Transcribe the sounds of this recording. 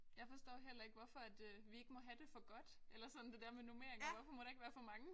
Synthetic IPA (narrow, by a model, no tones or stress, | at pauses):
jɑ̈ɪfɒ̽sd̥ɔ̰ːɦel̰ɐe̝ɡ̥ʋɒfɒ̽æd̥ʋie̝ɡ̥əmɒ̽ɦæd̥e̝fɒ̽ɡ̥ɒ̽d̥ʔelɐsɒ̽n̩d̥e̝d̥ɛɐ̰menome̝ɐ̰eŋʋɒfɒ̽mɒɾ̥ɑ̈e̝ɡ̥ʋæːɐfɒ̽mɑ̈ŋə